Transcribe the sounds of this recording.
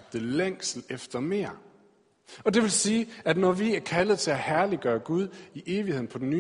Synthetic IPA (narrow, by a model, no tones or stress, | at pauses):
b̥̚d̥əleŋ̰sl̩efd̥ɐme̝̰ːɐ̰ | ɒ̽d̥e̝ʋe̝lsiːæd̥nɒʋiæɐkʰæləð̩ˠt͡sʰe̝læhæɐliɡ̥ɶːɐɡ̥uð̞ˠiʔe̝ːʋihe̝ð̰̩ˠpʰɒ̽d̥enyː